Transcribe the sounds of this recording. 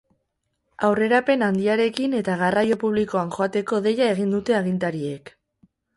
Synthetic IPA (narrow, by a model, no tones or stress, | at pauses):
awre̞ɾape̞nand̪iaɾe̞kine̞t̪aɣarajo̞puβ̞liko̞aŋxo̞at̪e̞ko̞ðe̞jae̞ɣ̞ind̪ut̪e̞aɣint̪aɾie̞k